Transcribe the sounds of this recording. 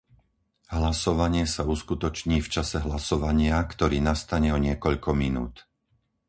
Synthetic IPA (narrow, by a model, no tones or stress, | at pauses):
ɦlasɔʋaɲɪɛsauskut̪ɔt͡ʃɲiːft͡ʃasɛɦlasɔʋaɲɪakt̪ɔɾiːnast̪aɲɛɔɲɪɛkɔʎkɔminṵːt̪